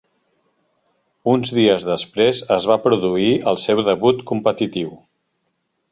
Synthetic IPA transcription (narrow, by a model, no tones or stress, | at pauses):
unzðiəzðəspɾezəzβapɾuðuiəlˠsɛwðəβut̪kumpət̪it̪iw